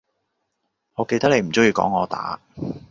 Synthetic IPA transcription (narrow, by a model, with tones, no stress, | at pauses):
ŋɔː˨˧ke˧jt̪ɐ˥k̪̚e˨˧jm̩˨˩t͡sɵ˥ŋjiː˧kɔ̰ː˨˥ŋɔː˨˧t̪a̰ː˨˥